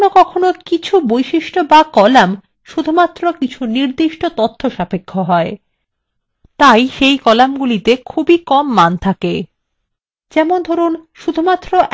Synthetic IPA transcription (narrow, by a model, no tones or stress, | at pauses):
nokɔkʰonokit͡ɕʰubojʃiʃʈobakɔlam | ʃud̪ʱumat̪ːɾokit͡ɕʰuniɾd̪iʃʈot̪ot̪ʰːoʃapekʰːoɦɔe | t̪ajʃejkɔlamɡulit̪ekʰubikɔmːant̪ʰake | d͡ʑɛmond̪ʱɔɾunʃud̪ʱumat̪ːɾoʔ